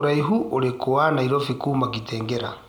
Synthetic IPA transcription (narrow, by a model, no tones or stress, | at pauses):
ɾaiɦuʔoɾekoanaiɾɔfikumakitɛːŋɡɛɾa